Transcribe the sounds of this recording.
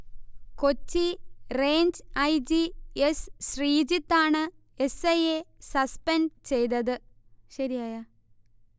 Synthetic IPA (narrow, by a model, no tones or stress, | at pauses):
ko̞t͡ɕːireːɲd͡ʑɐjd͡ʑiesɕriːd͡ʑit̪ːaːɳɨ | esɐjesɐspɐnt͡ɕe̞jt̪ɐðɨ | ɕɐɾijaːjaː